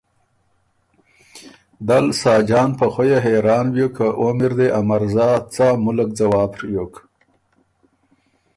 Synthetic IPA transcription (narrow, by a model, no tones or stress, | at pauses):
d̪alsɑːd͡ʒɑːnpaxojaɦeɾɑːnwjokʰaʔomɪɾd̪eʔamaɾzɑt͡sɑmʊləkd͡zawɑːbɾjok